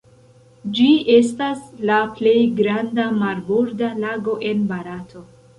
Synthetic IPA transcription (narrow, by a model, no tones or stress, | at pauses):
d͡ʒiʔe̞s̬taslaple̞jɡɾandamalboɾdalaɡo̞ʔe̞nbaɾatʰo̞